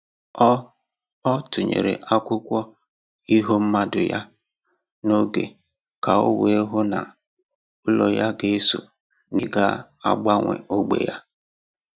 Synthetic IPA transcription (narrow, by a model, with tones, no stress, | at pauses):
ɔ˦tʊ˨ɲḛ˨ɾḛ˨ʔa˦kʷʊ˦kʷɔ˦ | i˦ɦo˦m̩˦ma˦dʊ˨ja˦ | no˦ɡe˨ | ka˨ʊ̰˦we˦ɦo˦na˨ | ʊ˦lo˨ja˦ɡe˨e˦so̰˨ | ni˨ɡa˦ | a̰˦ɡ͡ba˦ŋʷḛ˨o˦ɡ͡bḛ˨ja˦